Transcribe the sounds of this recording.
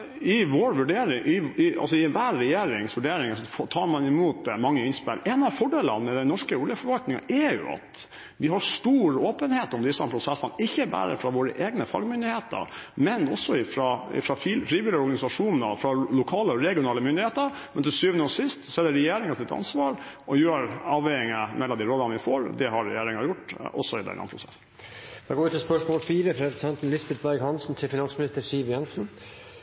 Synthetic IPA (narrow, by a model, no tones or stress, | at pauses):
ɪʋoːɾʋʉɖeːɾɪŋʔɪɪɑ̰lsɔɪʋæːɾːɛjeːɾɪŋsʋʉɖeːɾɪŋəsɔft̪ʰɑːɾmɑnɪmuːt̪̚d̪ɛmɑŋːəɪnspɪ̰lːɛnɑʋfɔɖeːlə̰nmɛd̪ɛnɔʂkəuljəfɔɾʋɑlt̪nɪŋɑ̰ʔɛjʊ̰ɑ̰t̪ | ʋɪɦɑʂt̪uːɾoːpənheːt̪ɔmd̪ɪsːəpʰɾʊsɛsːənɪçːəbæ̰ːɾə̰fɾɑʋoːɾə̰ʔeːɡnəfɑ̰ɡmʏnd̪ɪheːt̪ə̰ɾmɛnɔsːɔɪfɾɑɪ̰fɾɑffɾiːʋɪlɪɔɾɡɑnɪsɑʂuːnn̩ə̰fɾɑlʊkʰɑːləɔɾɛɡɪʊnɑːləmʏnd̪ɪheːt̪əɾ | mɛnt̪ɪlsyːʋənəoːsɪst̪sɔɛd̪ɛɾɛjeːɾɪŋɑsɪt̪ʰɑ̰nsʋɑːɾ | ɔjøːɾɑːʋɛɪŋəmʔɛlːɔmd̪iːɾɔləɑʋɪfo̰ːɾd̪ɛhɑɾɛ̰jeːɾɪŋɑjʊʈːɔ̰sːɔɪd̪ɛ̰nʔɑ̰pʰɾʊsɛsn̩ | dɛɡoːɪt̪ʰɪspœʂmoːlfiːɾəpʰɾɛsɛnt̪n̩lɪsbɛt̪̚bæɾɡhɑnsn̩t̪ʰɪlfɪnɑnsmɪnɪst̪əsiːʋjɛnsn̩